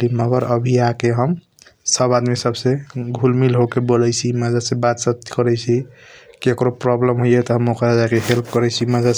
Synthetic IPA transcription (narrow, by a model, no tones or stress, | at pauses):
liməɡəɾəbʱiakeɦəm | səbad̪misəbseɡʱulmilɦokebolɛjt͡ʃʰiməd͡ʒasebat̪sət̪kəɾɛjt͡ʃʰikiekɾopɾɔblemɦojet̪ɔɦəmokɾad͡ʒakeɦelp̚kəɾɛt͡ʃʰiməd͡ʒa